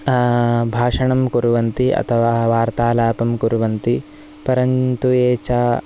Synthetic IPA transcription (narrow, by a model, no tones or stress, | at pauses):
bʱaːʂɐɳɐmkuɾuʋɐnt̪iʔɐ̰t̪ʰɐʋaːʋaːɾt̪aːlaːpɐmkuɾuʋɐnt̪i | pɐɾɐnt̪ueːt͡ʃaː